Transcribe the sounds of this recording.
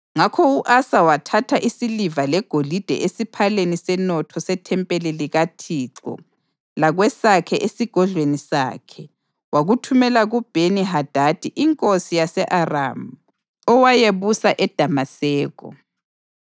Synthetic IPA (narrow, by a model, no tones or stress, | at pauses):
ŋakʰɔuʔasawatʰatʰaʔisilivalɛɡ̥ʱolid̥ʱɛ̰ʔesipʰalenisɛnɔtʰɔsɛtʰɛmpʼɛleliɣatʰiǁɔ̰ | laɣwɛsakʰɛʔesiɡ̥ʱɔɮwenisa̰ːkʰɛ | waɣutʰumɛlaɣub̥ʱeniɦad̥ʱad̥ʱiʔiŋkʼosijasɛʔara̰ːmu | ɔwajeβusaʔɛd̥ʱamasɛːɣɔ̰